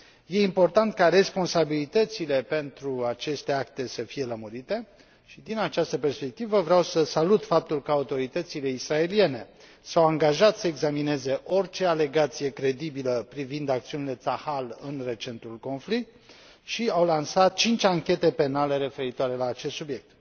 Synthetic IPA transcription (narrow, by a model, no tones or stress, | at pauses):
je̞impo̞rt̪ant̪̚kare̞spo̞nsabilit̪ət̪sile̞pe̞nt̪ɾuat͡ʃe̞st̪e̞ak̚t̪e̞səfije̞ləmuɾit̪e̞ | ʃid̪inat͡ʃast̪əpe̞rspe̞k̚t̪ivəvɾeawsəsalut̪fap̚t̪ulkəaut̪o̞ɾit̪ət̪sile̞isɾae̞lie̞ne̞ | sawaŋɡaʒat̪səeɡzamine̞ze̞ʔo̞rt͡ʃe̞ale̞ɡat̪sije̞kɾe̞d̪ibiləpɾivind̪akt̪siunile̞t̪sahalɨnre̞t͡ʃe̞nt̪ulko̞nflik̚t̪̚ | ʃiawlansat̪̚t͡ʃint͡ʃʲaŋkʲe̞t̪e̞pe̞nale̞ɾe̞fe̞ɾit̪oaɾe̞laːt͡ʃe̞st̪subje̞k̚t̪̚